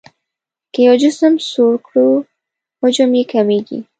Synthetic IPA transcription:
kəjɔd͡ʒʊsəmsoɾkɽu | hʊd͡ʒʊmjekameɡḭ

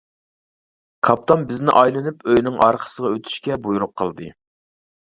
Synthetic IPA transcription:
kʰɑp̚t̪ʰɑmbɪznɪʔɑjlˠɨnypøjnɪŋʔɑɾqʰə̥səʁɑøt̪ʰy̥ʃkʲɛbujuɾʊqʰːəlˠd̪ɨ̰

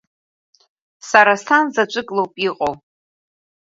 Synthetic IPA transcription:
saɾastʰanzat͡ʃʷʼɨkʼlowpʼiqʼow

